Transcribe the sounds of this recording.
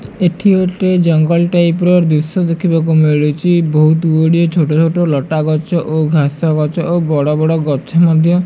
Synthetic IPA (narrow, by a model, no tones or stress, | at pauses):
eʈʰioʈed͡ʒɔŋɡɔlʈajpɾɔɾd̪usɔd̪ekʰibak̬umeɭut͡ʃʰibɔɦut̪uoɽijɔt͡ʃʰoʈɔt͡ʃʰoʈolɔʈaɡɔt͡ʃɔʔoɡʱasɔɡɔt͡ʃɔʔobɔɽɔbɔɽɔɡɔt͡ʃʰɔmɔd̪ʱjɔ